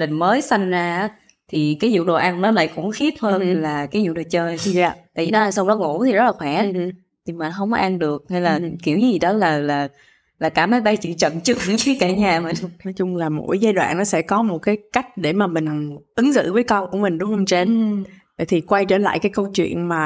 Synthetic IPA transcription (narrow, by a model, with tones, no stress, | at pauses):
lə˨˩ŋməː˨˦jsa˧jŋ̟zaː˧˩˨ | t̪ʰi˨˩kaː˨˦jzṵ˧˨ɗo˨˩ʔa˧˩nɗɔ˨˦la̰ː˧˨jkʊ̰˧˥ŋ͡mxi˦˥ət̚həː˧nlaː˨˩kaː˨˦jzṵ˧˨˩ɗo˨˩t͡ɕəː˧jja˧˨t̪a̰ː˧˨vi˨˩ɗɔ˨˦a˧˩jsa˧wŋ͡mɗɔ˨˦ŋo̰˧˥t̪ʰi˨˩zt̚laː˨˩xwaː˧˦ | t̪ʰi˨˩maː˨˩nɦə˧wŋ͡mkɔ˦ʔa˧nɗɨ˨˩ək̚ha˧jlaː˨˩ki˧˩wɲi˨˦zi˨˩ɗɔ˨˦laː˨˩laː˨˩ | laː˨˩kaː˧˩maː˨˦jɓa˧jt͡ɕḭ˧˨t͡ɕə̰˧˨nt͡ɕɨ˨˧˩ŋ˧˦t͡ɕi˨˦kaː˧˩ɲaː˨˩ma˨˩˧nɔ˨˦jt͡ɕʊ˧ŋ͡mlaː˨˩mo̰˧˥jzaː˧jɗwa̰ː˧˨nːɔ˨˦sɛ̰˧˥kɔ˨˦mo˨˩t̚kaː˨˦jka˦˥jk̟̚ɗe˧˩maː˨˩mï˨˩ŋ̟˨˩ŋʔɨ˨˦ŋzɨ̰˧˨vəː˨˦jkə˧wku˧˩əmï˨˩ŋ̟ɗʊ˨˦ŋ͡mhə˧wŋ͡mt͡ɕe˧˩nː˧˨ | jt̪ʰi˨˩kwa˧jt͡ɕeː˧˩nla̰ː˧˨jkaː˨˦jkə˧wt͡ɕwḭ˧˨ənmaː˨˩